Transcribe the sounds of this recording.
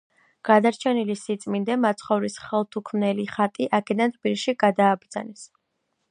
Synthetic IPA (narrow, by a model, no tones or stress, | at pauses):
ɡ̥ad̪aɾt͡ʃʰɛnilisit̪sʼmind̪ɛmat̪sʰχɔvɾisχɛlˠt̪ʰukʰmnɛliχat̪ʼiʔakʰɛd̪ant̪ʰb̥iliʃiɡad̪aːbɾd̪za̰nɛs